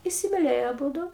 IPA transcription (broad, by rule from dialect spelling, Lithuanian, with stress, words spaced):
ɪsʲɪmʲɪˈlʲeːjoː ɐˈbuːdʊ